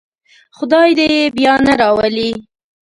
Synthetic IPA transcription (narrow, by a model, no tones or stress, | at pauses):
xʊd̪ɑjd̪ejebjɑnaɾɑwəli